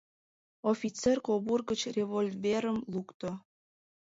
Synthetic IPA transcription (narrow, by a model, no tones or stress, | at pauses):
ofʲit͡serkoβurɡət͡ɕrevolʲveɾəmlukt̪o